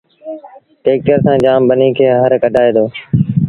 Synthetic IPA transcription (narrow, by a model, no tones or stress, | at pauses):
ʈeːk̚ʈəɾsãːd͡ʒaːmbəniːkʰeːɦəɾkəɖʱaːeːd̪oː